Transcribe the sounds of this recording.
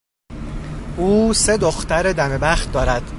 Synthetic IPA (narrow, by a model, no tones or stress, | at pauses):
uːse̞d̪oxt̪æɾed̪æme̞bæxt̪̚d̪ɒːɾæd̪̥